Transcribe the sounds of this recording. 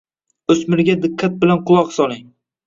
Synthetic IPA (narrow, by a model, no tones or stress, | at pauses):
ɵsmɪɾɡʲad̪ɪkʰːat̪̚bɪlanqʊlˠɒqsɒlɪŋ